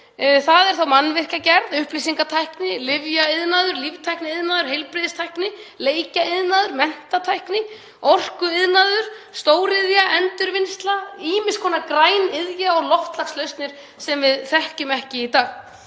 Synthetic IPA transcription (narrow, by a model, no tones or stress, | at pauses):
θaðɛɾ̥θawmanːvɪr̥cacɛɾðʏhplisiŋkat̪ʰajhknɪlɪvjaɪðnaːðʏɾlivt̪ʰajhknɪɪðnaðʏɾ̥hejlpɾɪðɪst̪ʰajknɪleːjcaɪðnaðʏɾmɛn̥t̪at̪ʰajhknɪ | ɔr̥kʏɪðnaðʏɾ̥st̪oːwɾɪðjaʔɛnt̪ʏɾvɪnst̪laiːmɪ̥skʰɔːnakɾaːjnɪðjaɔɣlɔft̪laxslœɥst̪nɪɾ̥ | sɛmvɪðθɛhcʏmɛhcɪit̪aːɣ